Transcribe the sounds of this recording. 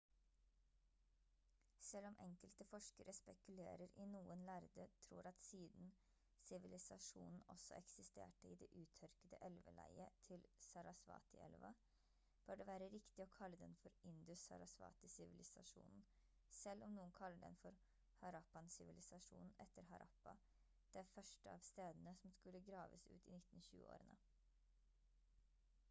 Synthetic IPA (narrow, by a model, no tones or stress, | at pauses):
sɛlːɔmʔɛŋkəlt̪əfɔʂkəɾʔəspɛkʉlḛːɾəɾɪnuːənlæɾd̪ət̪ʰɾṵːɾɑt̪siːd̪n | sɪʋɪlɪsɑʂṵːnn̩ɔ̰sːɔ̰ɛksɪst̪ḛːʈəɪd̪ɛʔʉːt̪ʰœɾkəd̪əʔɛlʋə̰læ̰ɪət̪ʰɪlsɑɾɑsʋɑ̰ːt̪ɪ̰ʔɛ̰lʋɑ̰ | b̥øːɖɛʋæːɾəɾɪkt̪ɪɔkʰɑlːəd̪ɛnfɔɾɪnd̪ʉsɑ̰ɾɑsʋɑ̰ːt̪ɪsɪʋɪlɪsɑʂṵːnn̩ | sɛlːɔmnuːənkʰɑlːəɖ̪ɛ̰nfɔɾ | hɑɾɑpɑnsɪʋɪlɪsɑʂṵːnn̩ɛt̪ːəɾɦɑɾʔɑ̰pːɑ | d̪̥ɛfœʂʈəɑːʋst̪eːd̪ənəsɔmskʉlːəɡɾɑːʋəsʉ̰ːt̪ɪnɪt̪ːn̩çʉ̰ːəo̰ːɾənə